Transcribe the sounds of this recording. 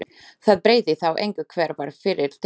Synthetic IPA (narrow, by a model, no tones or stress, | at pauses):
θaðpɾeːjðɪθawʔejŋkɪðkʰvɛːɾvaɾ̥fɪɾɪɾt̪ʰ